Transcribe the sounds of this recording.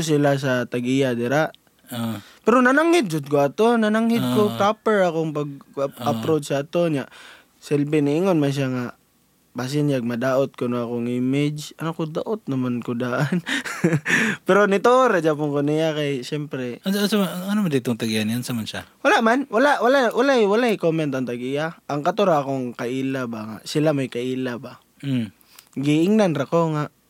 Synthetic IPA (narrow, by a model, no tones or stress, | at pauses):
ʊs̬ɪlas̬at̪aɡijad̪ɪɾaʔ | o | pɛɾonanaŋhɪd̪̚d͡ʒʊd̪̚koat̪onanaŋhɪd̪̚kopapɛɹakoŋpaɡ̚apɾodsaːt̪oɲaʔ | sɛlbɪnɪɪŋonmanʃ̬jaŋa | bas̬ɪnaɡ̚mad̪aːʔot̪̚konʊakoŋɪmɪd͡ʒʔanakod̪aʔot̪̚nɐmankod̪aʔan | pɛɾonɪt̪ooɾad͡ʒapʊŋkonɪjakajsɛmpɾɛansansamaanomad̪it̪oŋt̪aɡianansamanʃa̰walaʔmanwalaʔwalawalaʔwalaʔɪkomɛnt̪ant̪aɡijaʔaŋkat̪ʊɾaakoŋkaʔiːlabaŋa̰ʔsɪlamajkaʔiːlaba | ɡɪʔɪŋnanɾakoŋaʔ